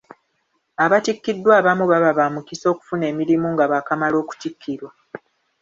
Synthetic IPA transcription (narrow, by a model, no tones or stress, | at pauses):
aβatikːidːwaːβamuβaβaβamukiso̞ːku̥fune̞ːmiɾimuŋɡaβakamalo̞ːku̥tikʰːiɾwa